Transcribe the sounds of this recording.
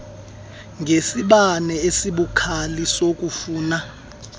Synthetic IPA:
ŋʱesiɓanɛesiɓukʰalisok̬ʼufuːna

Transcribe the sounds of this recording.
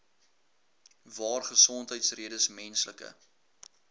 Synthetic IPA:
vɑːrχəsɔntɦəjtsriədəsmɛnsləkə̰

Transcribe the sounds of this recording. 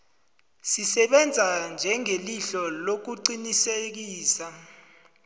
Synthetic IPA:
sisɛɓɛnd͡zʱand͡ʒʱɛŋeliɬɔlok̬uǃinisek̬iːsa

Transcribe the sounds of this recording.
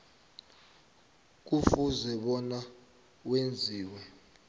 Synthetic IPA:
k̬ufuzɛɓɔna | wend͡zʱiːwɛ

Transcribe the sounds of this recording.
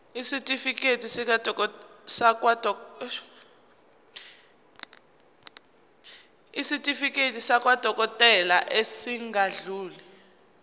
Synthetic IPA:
isitʼifik̬ʼetʰʼisik̬ʼadʱɔ | sak̬ʼwadʱɔ | isitʼifikʼetʰʼisak̬ʼwad̥ʱɔk̬ʼɔtʼɛlaʔesiŋɡʱaɮuːli

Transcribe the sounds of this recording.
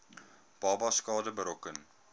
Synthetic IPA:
b̥ɑːbɑskɑːdəbəɾɔkən

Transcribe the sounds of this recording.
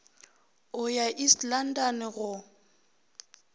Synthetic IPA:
ʊjaʔislan̩danɪɣʊ

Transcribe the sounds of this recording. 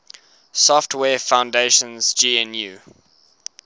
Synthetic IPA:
sɔftʰwɛːfãʊ̃ndeɪʃə̃nz̥d͡ʒiːɛ̃njuː

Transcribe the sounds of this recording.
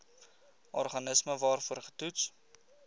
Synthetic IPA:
ʔɔrχɐnəsməvɑːrfuərχə̥tuts

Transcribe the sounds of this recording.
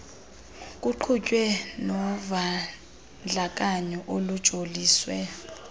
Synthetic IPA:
k̬ʼuǃʰucʼwɛnɔva | nd͡ɮʱak̬ʼaɲɔʔolud̥ʒ̥ʱoliːswɛ

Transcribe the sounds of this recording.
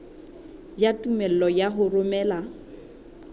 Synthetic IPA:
jatʼumɛl̩lɔjaɦʊrʊmɛːla

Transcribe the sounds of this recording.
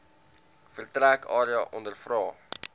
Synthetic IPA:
fərtrækɑːɾiɑʔɔndərfrɑː

